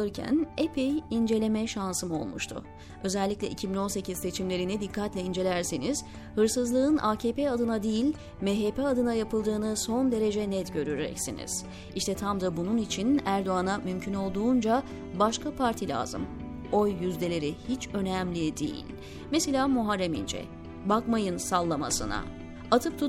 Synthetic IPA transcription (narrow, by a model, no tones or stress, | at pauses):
ɯɾcʰæ̰nepʰejind͡ʒe̞lʲe̞mɛʃansɯmo̞̰lˠmṵʃt̪ʰʊ̰ | ø̞zɛlʲːiclʲɛʔicʰibino̞nse̞cʰiz̥se̞t͡ʃʰimlʲe̞ɾinid̪ikʰːat̪lʲɛind͡ʒe̞lʲæɾseniz̥ | hɯɾsɯzlˠɯɯnʔaːcʰeːpead̪ɯnad̪ijilʲ | mɛɦepɛad̪ɯnajapʰɯlˠd̪ɯːnɯso̞nd̪e̞ɾe̞d͡ʒɛnɛt̪ɟø̞ɾyɾɾɛ̰csḭnḭz̥ | iʃt̪ʰɛt̪ʰamd̪abununit͡ʃʰinæɾd̪o̞anamymcʰyno̞lˠd̪uːnd͡ʒa | baʃkʰapʰaɾt̪ʰilʲa̰ːz̥ɯ̰m | o̞jːyzlʲe̞lʲe̞ɾihit͡ʃø̞næmlʲid̪ḭjḭlʲ | meselʲaːmuɦaɾːemḭnd͡ʒɛ̰ | bakmajɯnsalˠːama̰sɯ̰na̰ | at̪ʰɯp̚t̪ʰu